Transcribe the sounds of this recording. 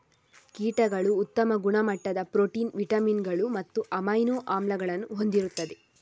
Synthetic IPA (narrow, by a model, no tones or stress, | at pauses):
kiːʈɐɡɐɭuːt̪ːɐmɐɡuɳɐmɐʈːɐd̪ɐpɾoːʈiːnʋiʈɐmiːnɡɐɭumɐt̪ːuʔɐmɐjnoːʔaːmlɐɡɐɭɐnːuɦo̞nd̪iɾut̪ːɐd̪e